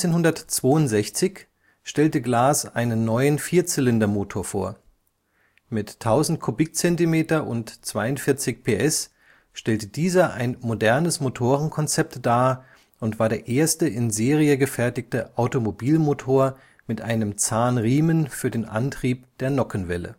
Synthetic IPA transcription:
t͡seːnhʊndɐtt͡sv̥oːʊntz̥ɛçt͡sɪç | ʃtɛltəɡlaːsʔaɪnənːɔʏənfiːɐt͡sɪlɪndɐmoːtʰoːɐfo̰ːɐ | mɪtʰːaʊzn̩t̚kʰobɪk̚t͡sɛntimeːtɐʔʊntt͡sv̥aɪʊntfɪɐt͡sɪçpʰeːʔɛs | ʃtɛltəd̥iːzɐʔa̰ɪnmodɛɐnəsmotʰoːʁənkʰɔnt͡sɛp̚td̥aː | ʔʊntv̥aːɐdeːɐʔeːɐstəʔɪnzeːʁiəɡəfɛɐtɪçtəʔaʊtomobiːlmoːtʰoːɐ | mɪtʔaɪnəmt͡saːnʁiːmənfyːɐdeːnʔa̰ntʁ̥iːpd̥eːɐnɔkən̩vɛlə̰

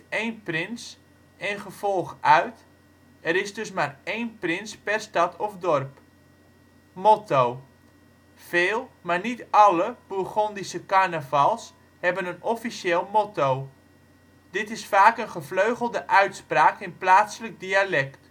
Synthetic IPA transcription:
ejnprɪns | ɛnχəvɔlˠxʔœɥt | ɛrɪsdɵsmareːnprɪnspɛrstɑtʰɔfdɔrp | motow | feːlˠmarnitʔɑləb̥uχɔndisəkarnəvɑlˠs | hɛbənənɔfisjeːlˠmotow | d̥ɪtɪsfaːkənχəfløɥɣəlˠdəʔœɥtspraːkɪnplaːtsələk̚dialɛkt

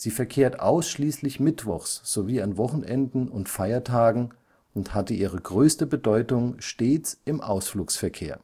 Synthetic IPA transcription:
z̥iːfɛɐkʰeːɐtʔa̰ʊsʃliːslɪçmɪtv̥ɔ̰χsz̥oviːanvɔχn̩ʔɛndn̩ʊntfaɪɐtʰaːɡŋ̩ | ʊnthatəʔiːʁ̞əɡʁøːstəbədɔʏtʊŋʃteːt͡sɪmʔaʊsfluːksfɛɐkʰeːɐ

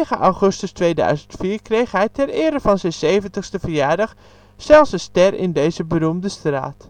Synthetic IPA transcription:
χəʔɑwχɵstəstʋejdœ̰ɥzəntfiːɹkrejχɦɛjtɛrɪːɾəvɑnzɛnsejvəntəχstəvəɹjaːɹdɑχ | sɛlˠsənstɛɹɪ̰ndejzəbərumdəstra̰ːt

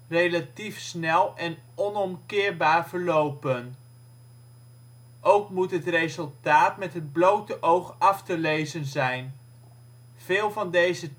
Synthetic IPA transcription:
rejlatifsnɛlˠɛn | ɔnɔmkɪːɹbaːɹv̥əɹlowpən | ʔowkmutɦətrejzɵlˠtaːtmɛtɦəd̚blowtəʔowχɑftəlejzənzɛjn | v̥ɪːlˠvɑndejzə

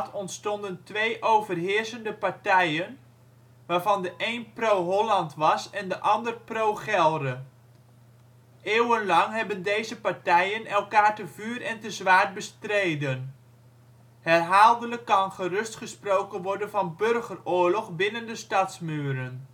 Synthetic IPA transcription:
tʰɔntstɔndəntʋejʔowvərɦɪːsəndəpɑɹtɛjən | ʋaːɹvɑndəʔejnprowɦɔlɑntʋɑsɛndəʔɑndərprowχɛlˠdə | eːwənlɑŋɦɛbəndejzəpɑɹtɛjənɛlˠkaːɹtəvyːrɛntəzʋaːt̚bəstrejdən | hɛrɦaːlˠdələkːɑnχərɵstχəsprowkənʋɔɹdənvɑnbørχərʊːɹlɔχbɪnəndəstɑtsmyːɾən

